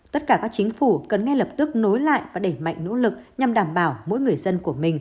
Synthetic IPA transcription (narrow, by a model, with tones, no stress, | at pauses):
t̪ə˦˥t̚kaː˧˩kaː˦˥k̚t͡ɕi˨˦ŋ̟fu˧˩kə˨˩nŋɛ˧lə˨˩p̚t̪ɨ˦˥k̚no˨˦jla̰ː˧˨jvaː˨˩ɗe˧˩ma̰˧˨jŋ̟no̰˧˥lɨ˨˩k̚ɲa˨˩mɗaː˧˩mɓaː˧˩wmo̰˧˥jŋɨ˨˩əjzə˧nku˧˩əmï˨˩ŋ̟